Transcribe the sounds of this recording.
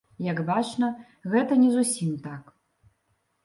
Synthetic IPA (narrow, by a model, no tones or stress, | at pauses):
jɐɡbat͡ʂnɐ | ɣɛt̪ɐnʲɛzusʲimt̪ak